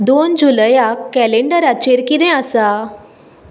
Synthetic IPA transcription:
d̪ond͡ʑuləjaɛleɳɖəɾat͡ɕeɾkid̪ɛ̃asa

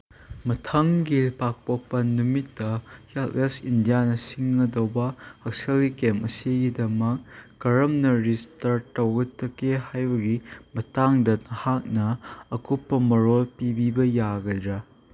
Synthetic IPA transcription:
mɐtʰɐŋɡipak̚pok̚pɐnumitːɐhalesindijanɐsiŋːɐdɐwbɐɐk̚selɡikemʔɐsiɡidɐmɐk̚ɡ̥ɐɾɐmnɐɾistɐɾtɐwɡɐtːɐkːehajbɐɡimɐtaŋdɐnɐhak̚nɐːkupːɐmɐɾolpibibɐjaɡɐdɾɐ

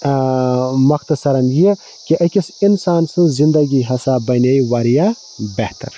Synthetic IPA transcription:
mɐxt̪ɐsɐɾɐnji | kiʔɐkʲisinsaːnsɨ̃zind̪ɐɡiɦɐsaːbɐnejʋɐɾija | beht̪ɐ̰ɾ

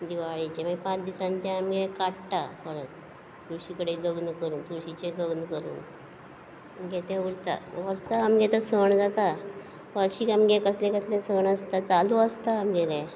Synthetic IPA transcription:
d̪iʋaɭit͡ɕẽməpãt͡sd̪isãnt̪jãːmɡɛkaʈʈafəɾət̪ | t̪uɕikəɽeloɡnəkəɾuːnt̪uɾɕit͡ɕeloɡnəkəɾṵːn | ɡɛt̪ɛʋuɽt̪a̰ʋəɾsaːmɡɛt̪əsəɳd͡zat̪a | ʋəɕiːkamɡɛkəslɛ̃kəslɛ̃səɳəst̪at͡saluəst̪aːmɡelẽ

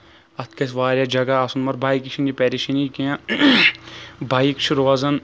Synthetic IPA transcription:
ɐt̪ʰkɐs̬ʋaːɾʲjad͡ʒɐɡaːsunmɐɾbʱaːikiʃʰind͡ʒipɛːɾiʃinikijã | bʱaːikt͡ʃʰuɾoɐzɐn

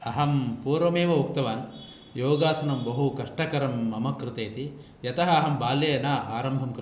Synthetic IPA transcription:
ɐɦɐmpuːɾʋɐmeːʋɐuk̚t̪ɐʋaːn | joːɡaːsɐnɐmbɐɦukɐʂʈɐkɐɾɐmːɐmɐkɾɪt̪eːt̪i | jɐt̪ɐɦɐːɦɐmbaːljɐjɐnaa̰ːɾɐmbʱɐmkɾ

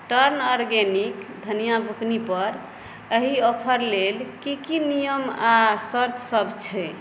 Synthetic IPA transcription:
ʈəɾnɔɾɡenikd̪ʱənijabʱuknipəɾ | əɦiɔpʰəɾlelkikinijəmasəɾt̪ʰsəbʱt͡ʃʰɛ

